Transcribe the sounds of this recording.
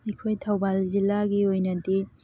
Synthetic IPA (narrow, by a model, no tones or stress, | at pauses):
ɐjkʰojtʰɐwbalzilːaɡiojnɐdi